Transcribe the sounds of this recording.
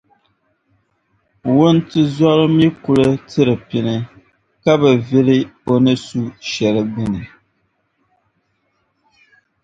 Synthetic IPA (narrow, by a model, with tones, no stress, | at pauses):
wʊ˦ntɨ˦zɔ˦lɨ˦mi˦ku˨lɨ˦tɨ˦ɾɨ˨pi˨nɨ˦ | ka˦bɨ˨vi˦lɨ˦o˨nɨ˦su˦ʃɛ˨lɨ˨bɨ˦nɨ˨